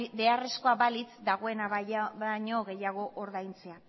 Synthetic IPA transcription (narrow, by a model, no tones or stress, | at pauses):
be̞are̞sko̞abalit͡sd̪aɣ̞o̞e̞naaɲo̞ɣe̞jaɣ̞o̞ʔoɾðajnt͡se̞a